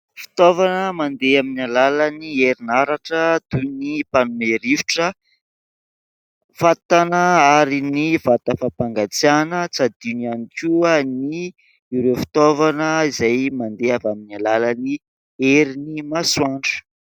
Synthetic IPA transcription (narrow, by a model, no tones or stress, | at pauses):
fi̥t̪ovanəmand̪eaminalalanieɾinaɾaʈ͡ʂəd̪̥unipanumeɾiviʈ͡ʂə | fat̪anəaɾiniv̥at̪əfapaŋɡat͡sianət͡sad̪inianikʲuani | iɾewfi̥t̪ovanəizajmand̪eavaminalalani | eɾinimaswaɳɖ͡ʐə̥